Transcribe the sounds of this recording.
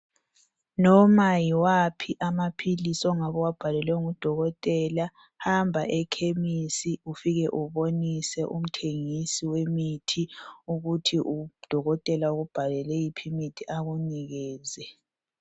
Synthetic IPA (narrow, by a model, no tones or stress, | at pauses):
nɔmajiwapʰiʔamapʰilisɔŋaβɔwab̥ʱalɛlɛŋud̥ʱɔɣɔtʼɛla | hambʱaʔɛkʰemisiufiɣɛʔuβonisɛʔum̩tʰeŋisiwemitʰiuɣutʰiʔud̥ʱɔɣɔtʼɛlauɣub̥ʱalɛlɛjipʰimitʰiʔaɣuniɣɛːzɛ